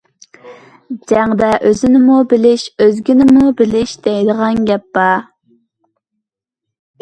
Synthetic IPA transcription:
d͡ʒɛŋd̪ɛʔøzɪnɪmubɪlɪʃøzɡʲinɪmubɪlɪʃd̪̥ɛjd̪əʁɑnɡʲɛpːɑ

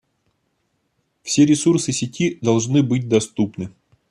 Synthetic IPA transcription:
fsʲeɾʲɪsursɨsʲɪtʲid̪ɐlˠʐnɨbɨt̚ʲd̪ɐst̪upnɨ

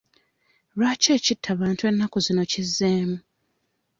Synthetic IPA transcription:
ɾaːce̞ːcitʰːaβaːntwe̞nːakozino̞cizːeːmu

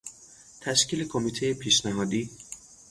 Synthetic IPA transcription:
t̪ʰæʃciːle̞kʰomiːt̪ʰejepʰiːʃnæɦɒːd̪iː

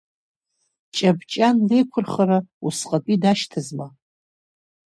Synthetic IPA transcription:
t͡ʃʼabt͡ʃʼanlejkʷʰʊrχaɾausqʼapʼidaʃtʰazma

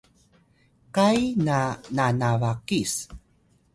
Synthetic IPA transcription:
kajnananavakis

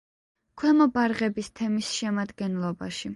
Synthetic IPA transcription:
kʰwɛmɔbaɾʁɛbist̪ʰɛmisʃɛmad̪ɡɛnlˠɔba̰ʃi

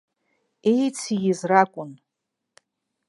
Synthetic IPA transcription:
ejt͡sʰijizrakʷʼʊn

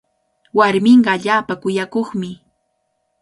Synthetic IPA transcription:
waɾmɪɴɢɑːʎaːpakʊjakoχmɪ

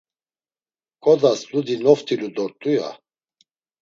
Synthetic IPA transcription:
kʼɔd̪aslud̪inɔft̪ʼilud̪ɔɾt̪ʼuja̰

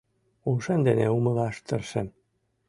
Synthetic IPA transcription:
uʃend̪eneumɤ̆lɑʃt̪ə̆rʃĕn

